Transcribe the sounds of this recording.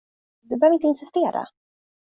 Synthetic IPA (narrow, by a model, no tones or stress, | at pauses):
d̪ɵbəœhœvɾɪnt̪əɪnsɪst̪eːɾa̰